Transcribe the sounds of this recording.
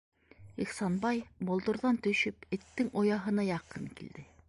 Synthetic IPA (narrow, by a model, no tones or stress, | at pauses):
iχsɑnbɑjbŏlˠd̪ŏɾðɑnt̪ɵ̆ʃɘpɘ̆t̪ːɘŋojɑɦɤ̆nɑjɑqɤŋkḭld̪ɘ